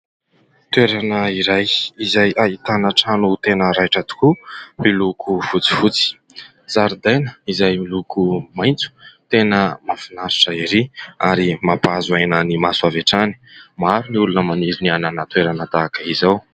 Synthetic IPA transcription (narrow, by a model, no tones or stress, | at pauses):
t̪weɾanəiɾajizajʔait̪anaʈ͡ʂanut̪enəɾajʈ͡ʂət̪u̥kumilukʰufut͡si̥fut͡si̥ | zaɾud̪ajnəizajmilukumajnt͡su̥t̪enəmafinaɾiʈ͡ʂəiɾiaɾimapazuajnənimasuavaʈ͡ʂani̥maɾuniulunəmaniɾiniananət̪weɾanət̪akəizaw